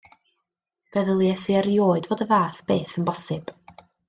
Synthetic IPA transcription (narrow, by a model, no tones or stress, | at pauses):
v̥ɛðəlˠjɛsiəɾjoːɨdvoːdəvaːθb̥eːθənbɔsɨb̥